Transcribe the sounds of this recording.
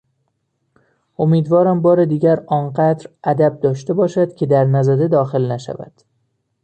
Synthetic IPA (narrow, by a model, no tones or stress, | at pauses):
ʔo̞miːd̪vɒːɾæmbɒːɾed̪iːɟæɾɒːnɢæd̪ɾʔæd̪æb̚d̪ɒːʃt̪e̞bɒːʃæd̪̥cʰe̞d̪æɾnæzæd̪ed̪ɒːxe̞lnæʃæ̰væ̰d̪̥